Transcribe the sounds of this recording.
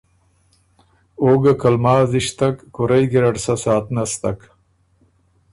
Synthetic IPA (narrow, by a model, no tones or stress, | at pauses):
oːɡɐkɐlmaːziʂt̪ɐkːuɾɐjɡiɾɐʈsɐsaːt̪nɐst̪ɐk